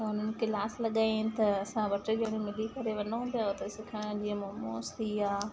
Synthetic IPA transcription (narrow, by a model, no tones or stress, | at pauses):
ʊn̤ənɪ̆kelaːslɐɠaːit̪ɐɐsãʋɐʈəd͡ʑeɽ̃ĩmɪlikɐɾeʋɐnũpjaot̪ɐsɪkʰaɽ̃d͡ʑiːə̃momo̰ːst̪iaː